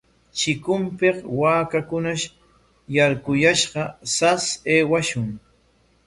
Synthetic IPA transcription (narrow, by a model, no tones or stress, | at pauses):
t͡ʃɪkʊmpeqwaːkakʊnaʃ | jaɾkʊjaʃɢɑsaseːwaʃʊŋ